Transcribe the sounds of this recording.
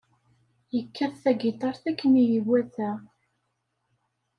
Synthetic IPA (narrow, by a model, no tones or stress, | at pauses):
jəkʰːəɾθæɡit̪ˤɑɾˤθækːənijəwæθæ